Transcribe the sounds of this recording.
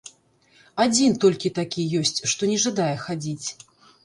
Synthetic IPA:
ad͡zʲint̪ɔlʲkʲit̪akʲijɔsʲt͡sʲʂt̪ɔnʲɛʐad̪ajɛxad͡zʲit͡sʲ

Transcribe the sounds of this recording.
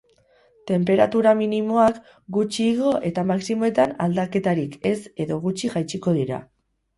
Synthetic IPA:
t̪e̞mpe̞ɾat̪uɾaminimo̞ak | ɡut͡ʃiːɣ̞o̞ʔe̞t̪amaksimo̞e̞t̪ana̰ld̪ake̞t̪aɾike̞se̞ðo̞ɣut͡ʃiʝajt͡ʃiko̞ðiɾa̰

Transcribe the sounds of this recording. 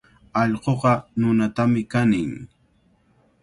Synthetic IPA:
ɑʎqoqɑnʊnat̪amɪkanɪŋ

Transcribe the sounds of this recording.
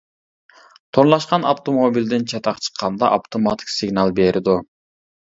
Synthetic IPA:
t̪ʰonlˠɑʃqɑnɑft̪ʰomobilʲd̪ɪnt͡ʃʰɑt̪ʰɑqt͡ʃʰə̥qʰːɑnd̪ɑʔɑft̪ʰomɑt̪ʰi̥ksɪɡnɑlˠbeɾɪd̪ʊ

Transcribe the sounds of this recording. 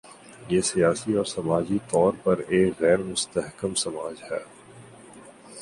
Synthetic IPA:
jeːsijaːsiɔːɾsɐmaːd͡ʒit̪ɔːɾpɐɾeːkɣɛːɾmʊst̪əɦkəmsɐmaːd͡ʒhɛː

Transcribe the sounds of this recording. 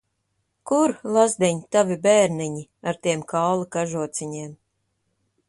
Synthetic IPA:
kuɾlˠazd̪ʲɛɲt̪avʲibɛːɾnɛɲiaɾt̪ʲiɛmkawlˠakaʒuɔt̪sʲiɲeːm

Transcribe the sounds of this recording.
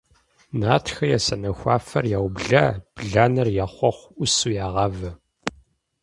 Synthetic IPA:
naːtʰxɐjasɐnɐxʷɑ̰ːfɐrjaːwbɮɐb̥ɮaːnɐrjaːχʷɔχʷʊsujaːʁɐvɐ

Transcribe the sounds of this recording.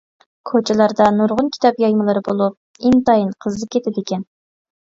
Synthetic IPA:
kʰot͡ʃʰɛlˠɑɾd̪ɑnuɾʁʊnkʲʰi̥t̪ʰɑpjɑjmɨlˠɨɾɨbolˠup̚ | int̪ɑjinqʰəzɨp̚kʲʰet̪ʰɪd̪ɪkʲɛn

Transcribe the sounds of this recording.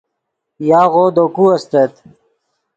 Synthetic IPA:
jaːʁoːd̪okuɐst̪ɐt̪

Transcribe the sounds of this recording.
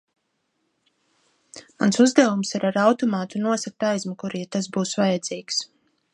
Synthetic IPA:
ma̰nsuzd̪avumsiɾaɾawt̪ɔmaːt̪unuɔsak̚t̪ajzmukuɾiːt̪asbuːsvajɛd̪z̥iːks

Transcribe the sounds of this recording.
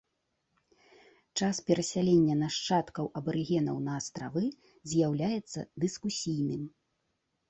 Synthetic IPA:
t͡ʂaspʲɛɾɐsʲalʲenʲːɐnaʂt͡ʂat̪kɐwɐbɐɾɨɣʲɛnɐwnɐːst̪ɾavɨ | zʲjawlʲajɛt̪sːɐ̰d̪ɨskusʲijnɨm

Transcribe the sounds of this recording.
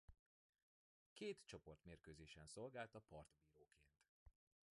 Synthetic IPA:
keːt̪t͡ʃo̞po̞rt̪meːrkøːzeːʃɛnso̞lɡaːlt̪ɒpɒrt̪biːɾoːkʰeːnt̪

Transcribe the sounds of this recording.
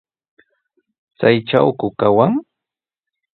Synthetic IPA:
t͡sajʈ͡ʂawkʊkawaŋ

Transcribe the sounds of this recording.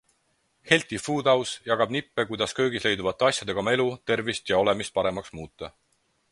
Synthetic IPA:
he̞lʲt̪ifuːd̪ɑwsjɑɡ̥ɑb̥nipːe̞kujd̪̥ɑskø̞ːɡisle̞jd̪uvɑt̪ːeɑsjɑd̪̥e̞ɡ̥ɑmelut̪e̞rvist̪jɑo̞le̞mist̪̚pɑɾe̞mɑksmuːt̪ːˑɑ

